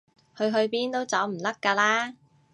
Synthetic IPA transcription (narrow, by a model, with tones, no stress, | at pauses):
hɵ˧ɥɦɵ˧ɥpiː˥nt̪o˥wt͡sɐː˨˧˥wm̩˨˩t̪ɐ˥kːaː˧laː˥